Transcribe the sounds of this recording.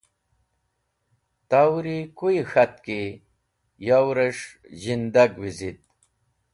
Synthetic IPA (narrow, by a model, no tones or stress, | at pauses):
t̪awɾikuixat̪̚ki | jawɾeʂ | ʑind̪aɡwizit̪̚